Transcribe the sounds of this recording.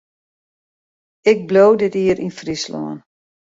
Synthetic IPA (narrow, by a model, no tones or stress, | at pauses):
ɪk̚blowdɪtiːəɾʔinfrislo̰ən